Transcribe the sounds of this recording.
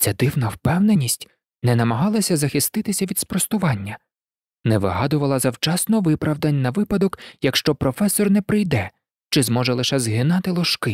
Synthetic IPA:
tt͡sʲɛd̪ɪwnɐwpɛwnenʲisʲtʲ | nɛnɐmɐɦɑlˠɐsʲɐzɐxɪst̪ɪt̪ɪsʲɐʋʲid̪spɾɔst̪ʊʋɑnʲːɐ | nɛʋɪɦɑd̪ʊʋɐlˠɐzɐwt͡ʃɑsnɔʋɪpɾɐwd̪ɐnʲnɐʋɪpɐd̪ɔkjɐkʃt͡ʃɔpɾɔfɛsɔrnɛpɾɪjd̪ɛ | t͡ʃɪzmɔʒɛlˠɪʃɛzɦɪnɑt̪ɪlˠɔʃkɪ

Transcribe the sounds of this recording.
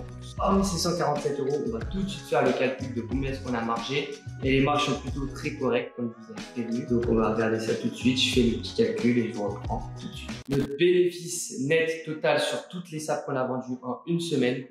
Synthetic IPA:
ɔmsɛsɑ̃kaʁɑ̃t̪sɛt̪øʁoɔ̃vat̪ut̪sɥit̪fɛʁləkalkʲyld̪əkɔ̃mɛskɔ̃namaʁʃeelemaʁʃsɔ̃plyt̪ot̪χɛkɔʁɛk̚t̪̚kɔmvuzavepχevnyd̪ɔ̃kɔ̃vaʁəɡaʁd̪esat̪ut̪sɥit̪ʒ̥əfɛləpət̪ʰi̥kʲalkʲyleʒəvuʁəpχɑ̃ʁt̪ut̪sɥit̪nɔt̪benefisnɛt̪ːɔt̪alsyʁt̪ut̪lesap̚kɔ̃navɑ̃d̪yʔɑ̃ynsəmɛn

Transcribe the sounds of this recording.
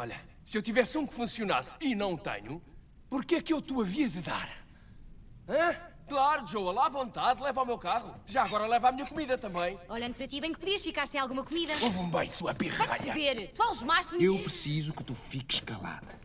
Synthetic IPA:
ɔʎɐ̰ | sɨewt̪ivɛsũkfũsiuna̰sinɐ̃w̃t̪ɐ̰ɲu | puɾkɛkewt̪uɐviɐðɨða̰ɾ | ãklˠaɾuʒowɐlˠavõnt̪aðlˠɛvawmewkaʁuʒaɐɣɔɾɐlˠɛvamiɲɐkumiðɐt̪ɐ̃mbɐ̃j̃ɔʎɐ̃nd̪upɾɐt̪iβɐ̃j̃k̚puðiɐʃfikaɾsẽj̃alˠɣumɐkumiðɐovũmbɐ̰̃j̃suɐpiʁaɐ̰ʎɐveɾt̪ualˠʒumaʃt̪mewpɾɨsizukɨ̥t̪ufikɨ̥ʃkɐlˠa̰ðɐ

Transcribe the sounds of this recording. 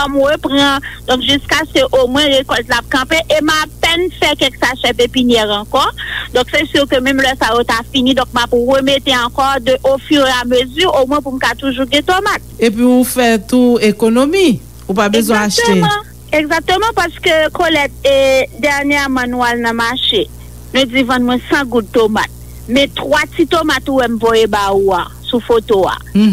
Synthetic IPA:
ɔmʁøpʁɐ̃d̪ɔ̃kʒyskaskøʔomwɛ̃ʁekɔlt̪laːp̚kɐ̃peʔemapɛnfɛkɛksaʃɛpepinjɛʁɑ̃kɔd̪ɔ̃ksɛsyʁkømɛ̃mlœsajot̪afinĩd̪ɔ̃k̚mapʁømet̪eɑ̃kɔd̪øʔofyʁamøzyʁomw̃ɛ̃p̬um̩kat̪uʒuɡɛ̃t̪omat̪̚epɥiufɛt̪uekonomi | upabezw̃ɛ̃aaʃttem̃ | eɡzak̚t̪ømɑ̃paskøkolɛt̪̚ed̪ɛʁnjɛmãnũwalnɐ̃maʃe | nud͡zivɐ̃nmw̃ɛ̃sɐ̃ɡud̪̚t̪oma̰t̪̚ | mɛ̃t̪watt͡sit̪omat̪uwɛm̩vojebaua̰sufot̪oa̰

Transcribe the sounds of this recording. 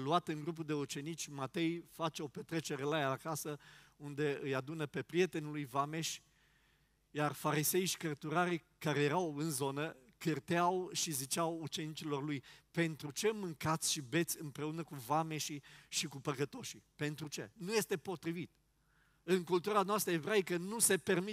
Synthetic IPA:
luat̪ɨŋɡɾup̬ud̪e̞ut͡ʃe̞nit͡ʃʲmat̪e̞jfat͡ʃeo̞pe̞t̪ɾe̞t͡ʃe̞ɾe̞lajaːkasəund̪e̞ɨjad̪unəpe̞pɾije̞t̪e̞nulujvame̞ʃ | jarfaɾise̞jʃi̥kərt̪uɾaɾi | kaɾe̞jeɾawɨnzo̞nə | kɨrt̪eawʃizit͡ʃawut͡ʃe̞nit͡ʃilo̞rlujpe̞nt̪ɾut͡ʃe̞mɨŋkat̪sʲʃibe̞t̪sʲɨmpɾe̞unəkuvame̞ʃiʃikupəkət̪o̞ʃipe̞nt̪ɾut͡ʃe̞nuje̞st̪e̞po̞t̪ɾivit̪ | ɨŋkult̪uɾanoast̪ɾəevɾaikənuse̞pe̞rmi

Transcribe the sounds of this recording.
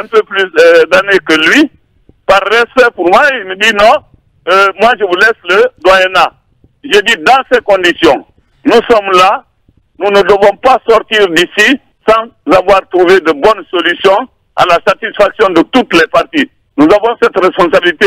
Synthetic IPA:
ɛ̃pøplysd̪anekəlɥi | paʁːɛspɛpuɾmwailməd̪inɔ̃ | əmwaʒəvulɛsləd̪wajɛna | ʒəd̪id̪ãsɛkɔ̃nd̪isjɔ̃ | nusɔmla | nunəd̪əvɔ̃pasɔʁt̪iːɾd̪isi | sɑ̃zavwaʁt̪ɾuved̪əbɔnsolysjɔ̃ | a̰lasat̪isfaksjɔ̃d̪ət̪ut̪lɛpaʁt̪i | nuzavɔ̃sɛt̪ɾɛspɔ̃sabilit̪e

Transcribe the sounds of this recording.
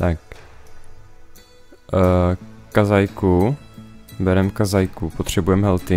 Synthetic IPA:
t̪ak̚ | kazajku | bɛɾɛmkazajkupot̪r̝̥ɛbujɛmɦɛlt̪ɪ

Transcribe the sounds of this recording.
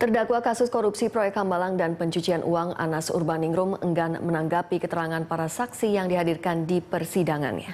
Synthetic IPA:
t̪ərdakwakasʊskɔɾupsipɾojɛk̚hambalaŋdanpəɲt͡ʃut͡ʃianʔuaŋa̰nasṵrbanɪŋɾʊmə̰ŋɡanmənaŋɡapikət̪əɾaŋanpaɾasaksijaŋdiɦadirkandipərsidaŋa̰nɲa̰

